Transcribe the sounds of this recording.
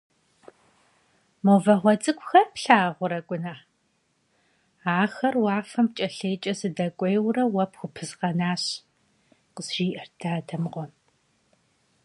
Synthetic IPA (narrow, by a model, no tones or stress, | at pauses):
movɐʁʷɔt͡sʼɨkʷʰʼʊxɐpɬaːʁʷʊɾɐkʷʼʊna | aːxɐrwɑːfɐmt͡ʃʼɐɬeːt͡ʃʼɐsɨdɐkʷʼejwrɐwɐpxʷʊpʰɨzqɐnaːɕ | qəzʒiːʔɐrdaːdʰɐmʁʷɔn